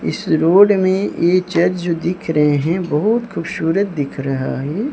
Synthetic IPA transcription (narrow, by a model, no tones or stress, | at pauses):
ɪ̰sɾoːɖmẽjeːt͡ʃɐd͡ʒd͡ʒoːd̪ɪkʰɾɐɦeɦɛ̃bɐɦʊt̪xuːbʃuːɾət̪̚d̪ɪkʰɾɐɦaːɦɛː